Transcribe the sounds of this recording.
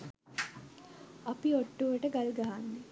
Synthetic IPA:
apioʈːuʋəʈəɡalɡaɦanːe

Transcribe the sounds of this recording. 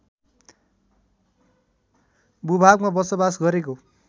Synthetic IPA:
bubʱaɡmabʌsʌbasɡʌɾeko

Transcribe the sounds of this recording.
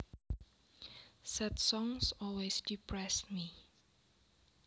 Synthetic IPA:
sɛtsɔ̃ŋsɔlwesdipʰɹɛsmi

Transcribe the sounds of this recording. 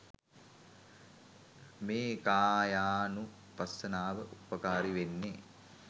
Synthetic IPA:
meːkaːjaːnu | pɐsːɐnaːʋəʔupəkaːɾiʋenːe

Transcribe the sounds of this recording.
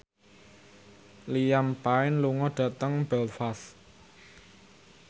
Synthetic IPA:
lijampaɪnluŋɔɖ̥ä̤t̪əŋbɛlfas

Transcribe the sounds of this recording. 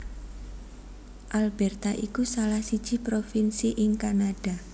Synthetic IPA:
ʔalbɛrt̪aʔikusalahsid̥ʒ̥i̤pɾofinsiʔɪŋkanad̥a̤

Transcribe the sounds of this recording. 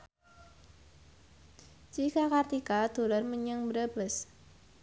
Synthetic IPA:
t͡ʃikakart̪ikad̪̥o̤lɔrməɲəŋbɾəb̥əs

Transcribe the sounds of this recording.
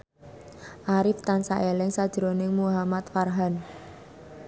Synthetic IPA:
ʔaɾɪft̪ansaʔelɪŋsad̥ʒ̥əɾonɪŋmuɦamat̪farɦan

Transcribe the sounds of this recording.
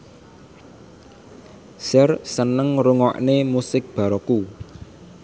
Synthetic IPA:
sɛrsənəŋruŋɔ̰ʔnemusɪk̚b̥a̤ɾɔku

